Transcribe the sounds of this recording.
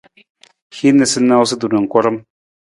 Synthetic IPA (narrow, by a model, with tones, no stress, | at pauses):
hi˦nːə˨sə˦nːa˦ws̬ə˦d̪u˨na˨ŋ˨kʷɔ˦ɾə˦m